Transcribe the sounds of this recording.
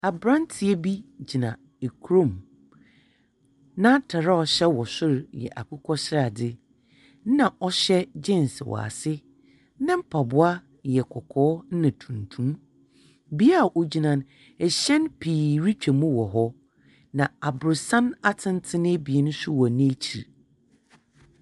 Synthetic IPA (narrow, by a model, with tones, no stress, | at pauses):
a˨bɾã˦n˦tʰi˨e˦bi˦d͡ʑi˨nã̰˨ | e˨kʰɾõ˦˨m | nã˦tʰa˨ɾa˦ɔ˨ɕɛ˦wɔ˨sʊ˦ɾjɛ̰˨ʔa̰˨kʰʊ˦kʰɔ˦ɕɪ˦ɾa˨dɪ˦ | n̩˦nã˨ɔ˦ɕɛ˦d͡ʑɪ̃˦˨nswɔ̰˨a̰˨sɪ˦ | nã˦m̩˦pʰa˨bʊ˦a˦ | jɛ˨kʰɔ˨kʰɔː˦n̩˦nã˨tʰũ˨n˨tʰũ˦m | bi˦a˦˨ʔo˦d͡ʑi˦nã˦n | ɛ˨ɕɛ̃˦npʰiː˨ɾi˦t͡ɕᶣʰɛ˨mũ˦wɔ˨ɦɔ˦ | nã˨a˨bʊ˨sã˦na˦tʰɪ̃˦n˦tʰɪ˦nɪ̃˦bi˨e˦nʊ̃˦sʊ˦wɔ˨nɪ̃˦e˦t͡ɕʰi˨ɾ